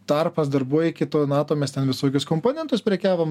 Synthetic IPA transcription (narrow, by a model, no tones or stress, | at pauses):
t̪ɐrpɐsd̪ɐrbuɔjɪkʲɪt̪oːnɑːt̪oːmʲɛst̪ʲɛnʋʲɪsoːkʲʊskoːmpoːnʲɛnt̪ʊspʲɾʲɛkʲæːʋoːm